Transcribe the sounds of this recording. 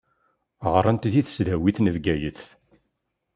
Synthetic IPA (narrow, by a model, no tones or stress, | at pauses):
ʁəɾˤənt̪ðiθsðæwiθnəvɡæjəθ